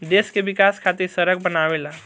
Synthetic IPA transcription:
d̪eskebikaskʰat̪iɾsəɾəɡ̚bənawela

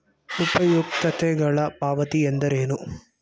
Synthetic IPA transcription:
upɐjuk̚t̪ɐt̪ɛɡɐɭɐpaːʋɐt̪iend̪ɐɾeːnu

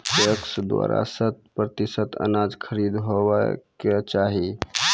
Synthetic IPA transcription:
pəksd̪wa̰ɾa̰sət̪̚pɾət̪isət̪ə̰nad͡ʒkʰəɾid̪ɦoʋə̰ket͡ʃaɦi

